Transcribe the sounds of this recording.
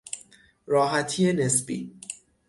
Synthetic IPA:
ɾɒːɦæt̪ʰije̞nesbḭː

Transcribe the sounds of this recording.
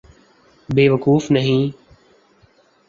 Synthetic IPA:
beːʋəkuːfnəɦĩː

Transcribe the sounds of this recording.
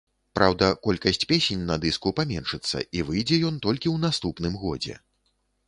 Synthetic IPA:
pɾʔawd̪ɐkɔlʲkɐsʲt͡sʲpʲesʲenʲnɐd̪ɨskupamʲɛnʂɨt̪sːɐ̰ʔivɨjd͡zʲɛjɔnt̪ɔlʲkʲiwnast̪upnɨmɣɔ̰d͡zʲɛ̰

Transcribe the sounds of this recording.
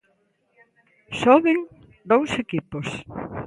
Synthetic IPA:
sɔβɪŋ | d̪owsekipos

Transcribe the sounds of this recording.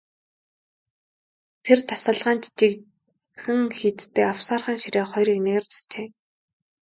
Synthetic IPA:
t̪ʰert̪ʰḁsə̆ɮʁaːnt͡ɕt͡ɕik | xɘ̆ŋxit̪t̪ːeːawsaːrχaːŋʃiɾeːχɔjɾiːkneːrt͡sḁt͡ɕeː

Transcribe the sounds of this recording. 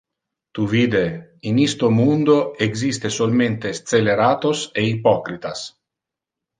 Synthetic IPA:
t̪uviːd̪einist̪omund̪oeɡzist̪esolment̪est̪seleɾaːt̪oseipɔkɾit̪as

